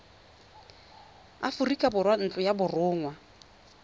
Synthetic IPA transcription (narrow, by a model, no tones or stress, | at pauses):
a̰fʊrikʼabʊrwan̩t͡ɬʼʊjabʊrʊːŋwa